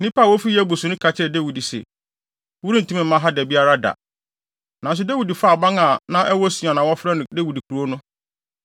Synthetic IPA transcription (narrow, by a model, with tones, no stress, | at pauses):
nĩ˦pa˦˨wɔ˦fi˦jɛ˦bu˨sʊ̃˨nʊ̃˦kʰa˨t͡ɕʰɪ˦ɾɛ˨de˦wi˨di˨sɛ̰˨ | wu˦ɾi˦n̩˨tʰũ˦mɪ̃˨m̩ː˦mã˦ɦa˦dɛ˨bi˦a˦ɾa˦da̰˨ | nã˨n˨s̬ʊ˦de˦wi˨di˨fa˦˨bã˦ŋã˨nã˦ʔɛ˦wɔ˦su˨ã˨nã˨wɔ˦fɾɛ˦˨de˦wi˨di˨kʰu˨ɾu˨˦o˦nʊ̃˦